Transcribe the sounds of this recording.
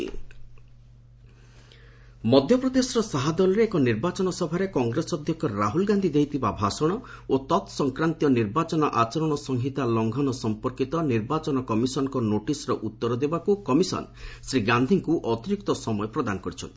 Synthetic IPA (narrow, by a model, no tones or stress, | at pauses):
mɔd̪ʱjɔpɾɔd̪esɔɾɔsaɦad̪ɔlɔɾeːkɔniɾbat͡ʃɔnɔsɔbʱaɾekɔŋɡɾesɔd̪ʱjɔkʰjɔɾaɦulɡand̪ʱid̪eɦit̪ʰibabʱasɔɽ̃ɔ | ot̪ɔt̪sɔŋkɾant̪ijɔniɾbat͡ʃɔnɔʔat͡ʃɔɾɔɽ̃ɔsɔŋɦit̪alɔŋɡʱɔnɔsɔmpɔɾkit̪ɔniɾbat͡ʃɔnɔkɔmisɔnɔkɔnoʈisɔɾɔʔut̪ːɔɾɔd̪ebakukɔmisɔ̰nsɾiɡand̪ʱiŋkuʔɔt̪iɾik̚t̪ɔsɔmɔjɔpɾɔd̪anɔkɔɾit͡ʃʰɔ̰nt̪i̥